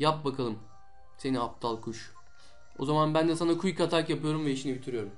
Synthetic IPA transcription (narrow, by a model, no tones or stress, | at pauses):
jap̚bakʰalˠɯm | se̞niap̚t̪ʰalˠkʰuʃ | o̞̰zamanbænd̪ɛsanakʰujkʰat̪ʰakjapɯjo̞ɾumvɛiʃinibit̪ʰyɾyjo̞ɾum